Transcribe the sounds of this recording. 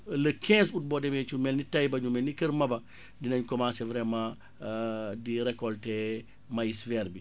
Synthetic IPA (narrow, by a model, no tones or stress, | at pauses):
ləkɛ̃ːsut̚bɔdɛmɛt͡ʃumɛlnitɐjbɐɲumɛlnikəɾmɐbɐ | dinɐɲkɔmãːsɛvɾɛmã | diɾɛkɔltɛ | majisfɛːɾbi